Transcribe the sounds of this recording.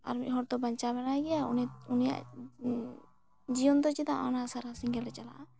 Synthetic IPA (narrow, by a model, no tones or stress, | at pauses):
a̰ɾmit̪ɦɔɾt̪ɔbaɲt͡ʃabɛnaɡɛjaununija̰ʔ | d͡ʒiɔnd̪ɔt͡ʃit̪aʔanasaɾasiŋɡɛlɾɛt͡ʃala̰ʔa